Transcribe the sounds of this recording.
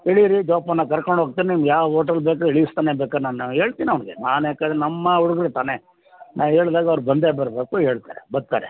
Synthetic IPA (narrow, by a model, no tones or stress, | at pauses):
eɭiɾid͡ʒaːpɐnːɐkɐɾkoɳɖʱɦoːɡ̚t̪iːneniːmjaːʋɐɦoːʈ̬ɐɾlbeːkaeɭijist̪aːneːbeːkanaːnɦe̞ːɭt̪iːnɐʋɐnɡenaːneːkɐɽenɐmːɐuɽuɡɾet̪aːne | nʔaːʋɦe̞ːɭd̪aːɡɐʋɾubɐnd̪ebɐɾbeːkuɦe̞ːɭt̪a̰ːɾebɐd̪̚t̪a̰ːɾe